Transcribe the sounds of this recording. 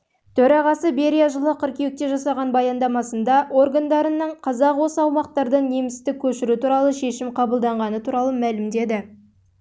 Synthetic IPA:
t̪ʰɵɾɑʁɑsəbe̞ɾʲijaʒəlˠəqʰʏɾkʲewɪk̚t̪e̞ʒɑsɑʁɑnbɑjɑnd̪ɑmɑsənd̪ɑʔo̞rɡand̪ɑɾənːəɴqʰɑzɑqwo̞səɑwmɑq̚t̪ɑɾd̪əɴne̞mɪst̪ɪk̚ʲːʰɵʃɪɾut̪uɾɑlˠəʃe̞ʃɪmqʰɑbəlˠd̪ɑɴʁɑnət̪ʰuɾɑlˠəmælɪmd̪e̞d̪ɪ

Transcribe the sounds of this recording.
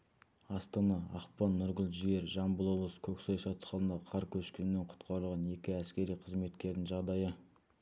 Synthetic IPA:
ɑst̪ɑnɑɑ̰qpɑnːʊɾʁəlˠʒije̞ɾʒɑmbəlˠo̞blˠəskʲʰɵksɑjʃɑt̪sqɑlˠənd̪ɑqʰɑɾkʲʰɵʃkʲenɪnːeɴqʰʊ̥t̪qʰɑɾəlˠʁɑne̞kʲɪæskʲe̞ɾijqʰəzme̞t̪kʲe̞ɾd̪ɪŋʒɑʁd̪ɑjə

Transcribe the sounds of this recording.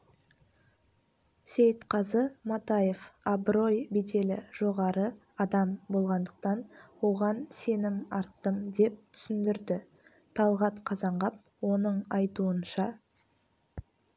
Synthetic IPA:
sejt̪qʰɑzəmɑt̪ɑje̞fɑbɾo̞jbet̪e̞lɪ̰ʒ̥o̞ʁɑɾə | ɑd̪ɑmbo̞lˠʁɑnd̪əq̚t̪ɑnwo̞ʁɑnse̞nɪmɑɾt̪ːəmd̪e̞p̚t̪ʰʏ̥sɪnd̪ɪɾd̪ɪ | t̪ʰɑlˠʁɑt̪qʰɑzɑɴʁɑp̚ | wo̞nəɴɑjt̪uənʃɑ

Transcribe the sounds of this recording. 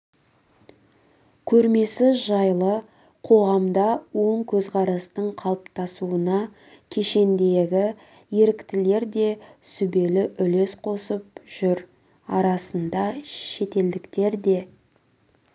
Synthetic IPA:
kʲʰɵɾme̞sɪʒɑjlˠə | qʰo̞ʁɑmd̪ɑwo̞ɴkʲʰɵzqʰɑɾɑst̪əɴqʰɑlˠəpt̪ɑsuənɑ | kʲʰe̞ʃe̞nd̪e̞ɡʲɪ | je̞ɾɪkt̪ɪle̞ɾd̪e̞sʏbe̞lɪʔʏle̞sqʰo̞səp̚ʒ̥ʏɾ | ɑɾɑsənd̪ɑʃe̞t̪e̞ld̪ɪkt̪e̞ɾd̪e̞

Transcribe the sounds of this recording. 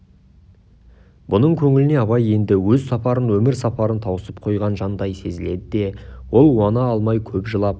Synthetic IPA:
bʊnəɴkʲʰɵŋɪlɪne̞ɑβɑje̞nd̪ɪwɵzsɑpɑɾənwɵmɪɾsɑpɑɾənt̪ʰɑwəsəp̚qʰo̞jʁɑnʒɑnd̪ɑjse̞zɪle̞d̪ɪd̪e̞wo̞lˠwɑnɑːlˠmɑjkʲʰɵpʒəlˠɑp̚

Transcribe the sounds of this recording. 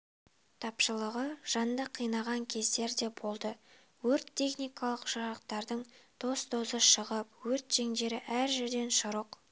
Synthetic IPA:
t̪ʰɑpʃəlˠəʁəʒ̥ɑnd̪əqʰijnɑʁɑŋkʲʰe̞zd̪e̞ɾd̪e̞bo̞lˠd̪ə | wɵɾt̪ʰːe̞χnijkɑlˠəqʒɑɾəqt̪ɑɾd̪əɴt̪ʰo̞st̪ʰo̞zəʃəʁəp̚wɵɾt̪ʒ̥e̞ŋd̪e̞ɾɪʔæɾʒɪɾd̪e̞nʃʊɾəq

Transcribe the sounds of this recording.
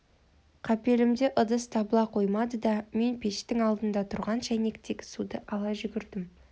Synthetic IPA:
qʰɑpe̞lɪmd̪eʔəd̪əst̪ʰɑbəlˠɑqʰo̞jmɑd̪əd̪ɑme̞npʰe̞ʃt̪ɪŋɑlˠd̪ənd̪ɑt̪ʰʊɾʁɑnʃæjne̞k̚t̪ʰekʲɪ̥sud̪əʔɑlˠɑʒʏɡʲɪɾd̪ɪm

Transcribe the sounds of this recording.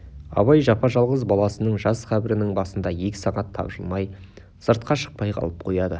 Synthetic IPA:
ɑ̰βɑjʒɑpɑʒɑlˠʁəzbɑlˠɑsənəɴʒɑsqæbɪɾɪnɪŋbɑsənd̪ɑje̞kʲɪ̥sɑʁɑt̪ʰːɑ̰bʒəlˠmɑj | səɾt̪̚qɑʃə̥q̚pɑjqʰɑ̰lˠəp̚qʰo̞jɑd̪ə

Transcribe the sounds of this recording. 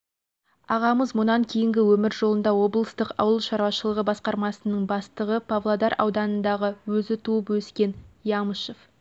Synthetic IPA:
ɑʁɑməzmʊnɑŋkʲʰe̞jɪŋɡʲɪwɵmɪɾʒo̞lˠənd̪ɑwo̞blˠəst̪əqɑ̰wəlˠʃɑɾwɑʃəlˠəʁəbɑsqɑɾmɑsənəɴbɑst̪əʁəpʰavlˠod̪ɑɾɑ̰wd̪ɑnənd̪ɑʁəwɵzɪt̪ʰuəpwɵskʲe̞njɑməʃef

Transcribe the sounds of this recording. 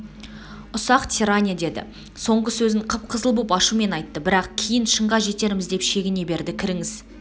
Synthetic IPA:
ʊsɑqt̪ʲʰiɾanʲijad̪e̞d̪ɪ̰ | so̞ɴʁəsɵzɪɴqʰəp̚qʰəzəlˠbupɑʃume̞nɑjt̪ːəbɪɾɑqkʲʰijɪnʃəɴʁɑʒe̞t̪e̞ɾɪmɪzd̪e̞pʃe̞ɡʲɪne̞be̞ɾd̪ɪkʲʰɪɾɪŋɪz

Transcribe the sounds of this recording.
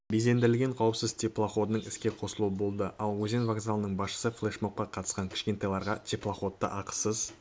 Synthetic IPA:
bize̞nd̪ɪɾɪlʲɡʲe̞ɴqʰɑwəpsɪzt̪ʲʰeplˠaχo̞d̪ənəɴɪskʲe̞qʰo̞səlˠuəbo̞lˠd̪əʔɑlˠwɵze̞nvaɡzalˠənəɴbɑsʃə̥səflˠeʃmoq̚qːɑqʰɑt̪ə̥sqɑŋkʲʰɪ̥ʃkʲe̞nt̪ɑjlˠɑɾʁɑt̪ʲʰeplˠaχo̞t̪ːə̰ʔɑqə̥səz

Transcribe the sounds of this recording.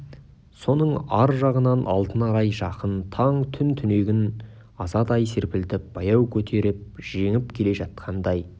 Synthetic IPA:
so̞nəɴɑɾʒɑʁənɑnʔɑ̰lˠt̪ənɑɾɑjʒɑqənt̪ʰɑɴt̪ʰʏnt̪ʰʏne̞ɡʲɪn | ɑzɑd̪ɑjseɾpɪlt̪ɪp̚b̥ɑjɑwkʲʰɵt̪ʰe̞ɾɪp̚ʒ̥e̞ŋɪpkʲʰe̞le̞ʒɑt̪̚qʰɑnd̪ɑj

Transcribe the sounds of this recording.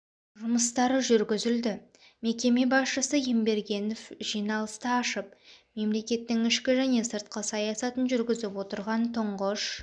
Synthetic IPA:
ʒʊməst̪ɑɾəʒʏɾɡʲɪzɪld̪ɪ | me̞kʲe̞me̞bɑsʃəsəjembe̞ɾɡʲe̞no̞fʒijnɑlˠəst̪ɑɑʃəp̚ | me̞mle̞kʲe̞t̪ːɪŋɪʃkʲɪʒæne̞səɾt̪qəsɑjɑsɑt̪ənʒʏɾɡʲɪzɪpwo̞t̪əɾʁɑnt̪ʰʊɴʁəʃ

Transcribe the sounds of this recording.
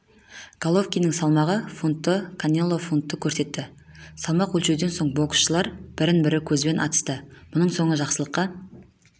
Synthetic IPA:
ɡ̥alˠo̞fkʲijnəŋsɑlˠmɑʁəfunt̪ːəkʰanʲelˠːo̞funt̪ːəkʲʰɵɾse̞t̪ːɪ | sɑlˠmɑqwɵlʃe̞d̪e̞nso̞ɴbo̞ksʃəlˠɑɾb̥ɪɾɪnbɪɾɪkʲʰɵzbe̞nʔɑ̰t̪ə̥st̪əmʊnəɴso̞ɴəʒɑqsəlˠəqːɑ

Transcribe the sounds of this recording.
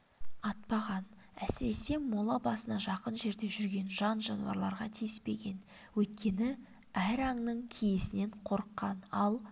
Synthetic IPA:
ɑt̪̚pɑʁɑn | æsɪɾe̞se̞molˠɑbɑsənɑʒɑqənʒe̞ɾd̪e̞ʒʏɾɡʲe̞nʒɑnʒɑnuwɑ̰ɾlˠɑɾʁɑt̪ʰijɪspe̞̰ɡʲe̞n | wɵjt̪̚kʲe̞nɪ | æɾɑɴnəɴkʲʰije̞sɪne̞ɴqʰo̞ɾəqːɑnɑ̰lˠ

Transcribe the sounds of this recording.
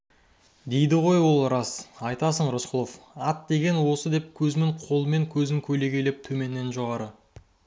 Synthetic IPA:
d̪e̞jd̪ɪʁo̞jwo̞lˠɾɑsɑjt̪ɑs̬əɴɾʊsqʰəlˠofɑt̪̚d̪e̞ɡʲe̞nwo̞səd̪e̞p̚kʲʰɵzmeɴqʰo̞lˠəme̞ŋkʲʰɵzɪŋkʲʰɵle̞ɡʲe̞lep̚t̪ʰɵme̞nːe̞nʒoʁɑɾə

